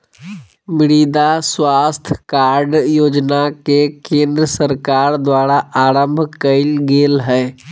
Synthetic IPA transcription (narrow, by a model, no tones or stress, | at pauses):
mɪɾiːd̪aswaːst̪ʰkaːɾɖjoːd͡ʒnakekẽːnd̪ɾəsəɾkaːɾd̪waːɾaaːɾə̃mbʱkəɪlɡeːlɦɛː